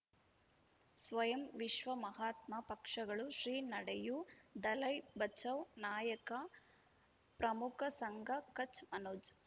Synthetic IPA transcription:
sʋɐjɐmʋiʃʋɐmɐɦaːt̪mɐpɐkʂɐɡɐɭuʃɾiːnɐɽejud̪ɐlɐjbɐt͡ʃɐʋnaːjɐkɐ | pɾɐmukʰɐsɐŋɡʱɐkɐt͡ʃmɐnoːd͡ʒ

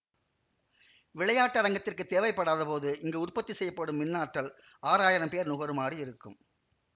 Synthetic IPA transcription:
ʋɪɭɐjaːʈːɐɾɐŋɡɐt̪ːɪrkɯt̪ːeːʋɐɪpːɐɽaːðɐpoːðɯʔɪŋɡeːʊrpɐt̪ːisɛjːɐpːɐɽɯmːɪnːaːʈɾɐl | aːɾaːjɪɾɐmpeːɾnʊɣɐɾɯmaːriɪɾɯkːɯ̰m

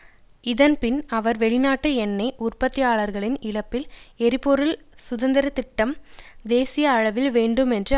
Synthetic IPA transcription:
ɪðɐnpɪnɐʋɐɾʋɛɭɪnaːʈːɯɛnːɐɪʔʊrpɐt̪ːɪjaːɭɐɾɣɐɭɪnɪlɐpːɪlɛɾɪpːɔɾɯlsʊðɐnd̪ɪɾɐt̪ɪʈːɐmd̪eːsɪjɐːɻɐʋɪlʋeːɳɖɯmɛndrɯ

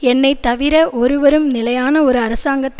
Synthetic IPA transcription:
ɛnːɐɪt̪ːɐʋɪɾɐʔɔɾɯʋɐɾɯmnɪlɐjaːnɐɔɾɯɐɾɐsaːŋɡɐt̪ː

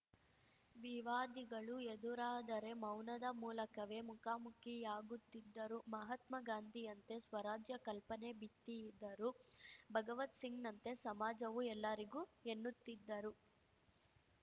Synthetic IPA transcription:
ʋiʋaːd̪iɡɐɭued̪uɾaːd̪ɐɾe̞mɐwnɐd̪ɐmuːlɐkɐʋe̞mukaːmukijaːɡut̪ːid̪ːɐɾumɐɦɐt̪mɐɡaːnd̪ʱijɐnt̪e̞sʋɐɾaːd͡ʒjɐkɐlpɐne̞bit̪ːiid̪ːɐɾubʱɐɡɐʋɐt̪siŋɡnɐnt̪e̞sɐmaːd͡ʒɐʋuɛlːɐɾiɡuːenːut̪ːid̪ːɐɾu

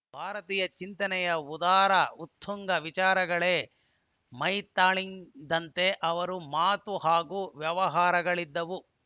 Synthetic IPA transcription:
bʱaːɾɐt̪iːjɐt͡ʃint̪ɐnɛjɐud̪aːɾɐut̪ʰːuŋɡɐʋit͡ʃaːɾɐɡɐɭeː | mɐjt̪aːɭiŋd̪ɐnt̪e̞ʔɐʋɐɾumaːt̪uɦaːɡuːʋjɐʋɐɦaːɾɐɡɐɭid̪ːɐʋu

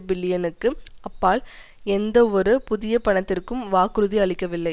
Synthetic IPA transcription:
bɪlːɪjɐnɯkːɯɐpːaːl | ɛnd̪ɐɔɾɯpʊðɪjɐpɐɳɐt̪ːɪrkɯmʋaːkɾɯðiɐɭɪkːɐʋɪlːɐɪ

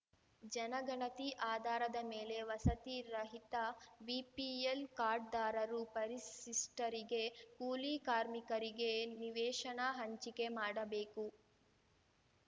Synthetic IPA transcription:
d͡ʒɐnɐɡɐɳɐt̪iʔaːd̪ʱaːɾɐd̪ɐmeːle̞ʋɐsɐt̪iɾɐɦit̪ɐʋipielkaːɾɖ̚d̪aːɾɐɾupɐɾisisʈɐɾiɡekuːliːkaːɾmikɐɾiɡe̞niʋɛːʃɐɳɐɦɐɲt͡ʃike̞maːɽɐbeːku

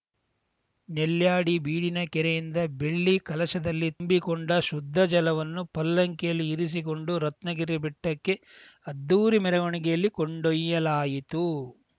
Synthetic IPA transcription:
nɛljaːɽibiːɽinɐkɛɾejind̪ɐbeɭːikɐlɐʃɐd̪ɐlːitmbikoɳɖɐʃud̪ʱːɐd͡ʒɐlɐʋɐnːupɐlːɐŋkɛjɐlːiːɾis̬iko̞ɳɖuɾɐt̪nɐɡiɾibiʈːɐkːe̞ | ɐd̪ːuːɾimɛɾɐɡoɳiɡɛjɐlːikoɳɖojːɐlaːjit̪u

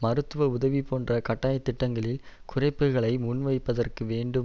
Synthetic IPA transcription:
mɐɾɯt̪ːɯʋɐʊðɐʋipoːndrɐkɐʈːaːjɐt̪ːɪʈːɐŋɡɐɭɪlkʊrɐɪpːɯɣɐɭɐɪmʊnʋɐɪpːɐðɐrkɯʋeːɳɖɯ

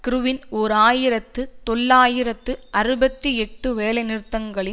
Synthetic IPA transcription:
kɪɾɯʋɪnɔɾaːjɪɾɐt̪ːɯt̪ɔlːaːjɪɾɐt̪ːɯʔɐrɯbɐt̪ːiɛʈːɯʋeːlɐɪnɪɾɯt̪ːɐŋɡɐɭɪ

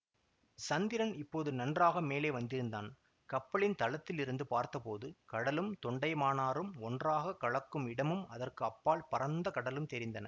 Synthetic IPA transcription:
sɐnd̪ɪɾɐnɪpːoːðɯnɐndraːɣɐmeːleːʋɐnd̪ɪɾɯnd̪aːn | kɐpːɐɭɪnt̪ɐlɐt̪ːɪlɪɾɯnd̪ɯpaːɾt̪ɐpoːðɯkɐɽɐlɯmt̪ɔɳɖɐɪmaːnaːɾɯmɔndraːɣɐkɐɭɐkːɯmɪɽɐmɯmɐðɐrkɯɐpːaːlpɐɾɐnd̪ɐkɐɽɐlɯmt̪ɛɾɪnd̪ɐnɐ

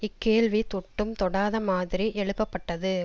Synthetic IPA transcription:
ɪkːeːɭʋit̪ɔʈːɯmt̪ɔɽaːðɐmaːðɪɾiʔɛɭɯpːɐpːɐʈːɐðɯ

